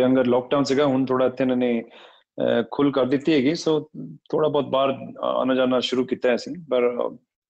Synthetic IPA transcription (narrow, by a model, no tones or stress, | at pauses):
ɐ̃ŋɡəɾlɔːk̚ɖaʊnseɡaɦʊnt̪ʰoːɽaɪt̪ʰːenɐne | kʰʊlkɐɾd̪ɪt̪iɦɛːɡisoːt̪ʰoːɽabɔːt̪̚baːɾa̰ːnad͡ʒaːnaʃʊɾukit̪aɦɛsĩpɐɾ̰